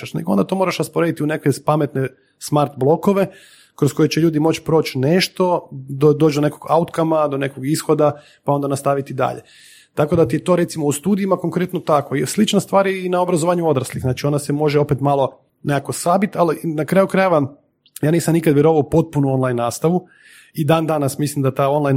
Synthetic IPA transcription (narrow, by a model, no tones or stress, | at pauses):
aʃneɡoond̪at̪o̞mo̞ɾaʃɾaspoɾe̞d̪it̪iunekʋepame̞t̪ne | smaɾt̪blˠo̞ko̞ʋe̞ | kɾo̞sko̞jet͡ɕeʎuːd̪imo̞t͡ɕpɾo̞ːt͡ʃneʃt̪o̞d̪od̪ot͡ʃd̪onekoɡa̰ut̪kamad̪o̞ne̞koɡisxo̞d̪a | pao̞nd̪anast̪aʋit̪id̪a̰ʎḛ | t̪ako̞d̪at̪iet̪o̞ɾe̞t̪simoust̪uːd̪iimako̞ŋkɾe̞t̪not̪akoslit͡ʃnast̪ʋaːɾinaobɾazoʋaːɲuo̞d̪ɾaslixznaːt͡ʃio̞nasemo̞ʒeo̞pet̪malˠo̞ | nekako̞sabit̪alinakɾaːjukɾaje̞ʋa | jaːniːsamnikad̪ʋjeɾo̞ʋaupo̞t̪̚punuonlˠajnːaːst̪aʋu | id̪aːnd̪anasmislimd̪at̪ao̞nlˠajn